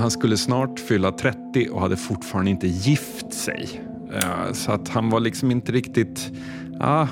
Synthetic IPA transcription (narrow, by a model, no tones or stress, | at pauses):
hanskɵlːəsnɑːʈfʏlːat̪ʰɾɛt̪ːɪʔɔ̰had̪ːəfʊʈfɑːɾand̪ɪnt̪əjɪf | t̪sɛ̰j | sɔat̪hanvaɭɪksɔmɪnt̪əɾɪkt̪ɪt̪ | ʔa̰ː